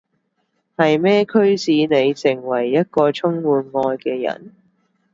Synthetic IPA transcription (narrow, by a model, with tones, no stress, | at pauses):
hɐ˨jmɛː˥kʰɵ˥ɥsiː˨˧ne˨˧jsɪ˨˩ŋwɐ˨˩jːɐ˥t̚kɔː˧t͡sʰʊ˥ŋwuː˨˧nŋɔː˧jkɛː˧jɐ̰˨˩n